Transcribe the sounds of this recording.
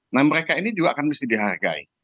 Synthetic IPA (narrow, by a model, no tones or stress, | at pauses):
nahməɾekainid͡ʒuɡaːkanbisidiɦarɡa̰ḭ